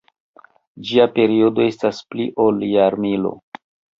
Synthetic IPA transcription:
d͡ʒiape̞ɾio̞do̞e̞staspliʔoljaɾmilo̰

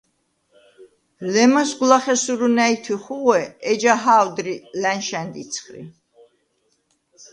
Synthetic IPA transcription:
lɛmasɡlaχɛsuɾunæit̪ʰwiχuʁwɛɛd͡ʒaɦawd̪ɾilænʃɛnd̪it̪sʰχɾḭ

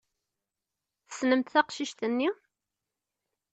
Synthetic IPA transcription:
θə̥snəmt̪θæqʃiʃt̪ənːi

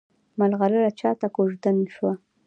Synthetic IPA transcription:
malɣaləɾat͡ʃɑt̪akoʒd̪anʃwa

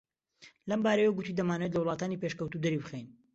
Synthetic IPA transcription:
lɐmbaːɾɐjewoɡut̪iːd̪ɐmaːnəwet̪lɐwlˠɑːt̪aːnipeʃkəwt̪ud̪ɐɾibɨxejn

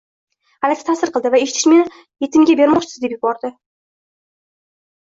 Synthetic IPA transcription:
alɪk̪ʲɪt̪ʰasɪɾqʰɨlˠd̪ɪvae̞ʃɪ̥t̪ʰɪʃme̞nɪ | je̞t̪ʰɪmɡʲabe̞ɾmɒt͡ʃʰɪzd̪e̞pjʊbɒɾd̪ɪ

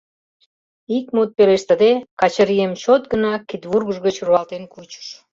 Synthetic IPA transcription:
ikmut̪̚peleʃt̪ə̆d̪ekɑt͡ɕəɾiemt͡ɕot̪̚ɡənɑkit̪βurɣəʒɣət͡ɕruɑlt̪enkut͡ɕə̥ʃ

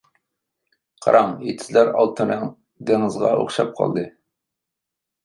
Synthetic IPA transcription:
qʰɑ̰ɾʔɑŋet̪ʰɪ̥zlæɾɑlˠt̪ʰɨnɨŋ | d̪eŋɨzʁɑ̰o̰χʃɑp̚qʰɑ̰lˠd̪ɨ

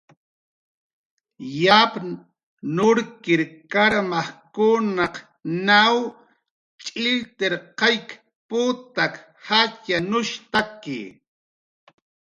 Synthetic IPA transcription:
jap | nʊɾkɪɾkaɾmɑχkʊnaq | naw | t͡ʃʼɪlt̪eɾqɑjk | pʊt̪ak | hat͡ʃanʊʃt̪akɪ̰

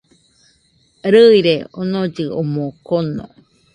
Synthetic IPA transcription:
ɾɯiɾeonod͡ʒɯomokonːo̰

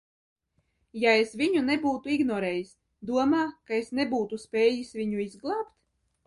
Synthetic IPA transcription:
jaesvʲiɲunebuːt̪uiɡnɔɾeːjisʲ | d̪uɔmaːkaesnebuːt̪uspʲeːjisʲvʲiɲuizɡlˠaːpt̪

